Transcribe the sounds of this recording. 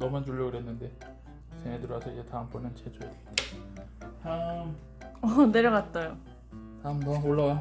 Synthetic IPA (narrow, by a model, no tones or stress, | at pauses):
nʌmɯnd͡ʑuʎːʌɡɯɾɦenːɯnde̞ | t͡ɕʰeŋɦedɯɾasʰʌid͡ʑe̞taɦɯmp͈unɯnt͡ɕed͡ʑojadet͈ḁ | taɯm | ʌne̞ɾjʌɡat̚t͈ajo | taɯmtaɯmoɭːawa